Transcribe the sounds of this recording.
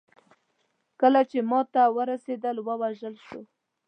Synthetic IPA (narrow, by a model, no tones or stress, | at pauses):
kəlat͡ʃemɑt̪awəɾased̪əlwəwaʒəlʃo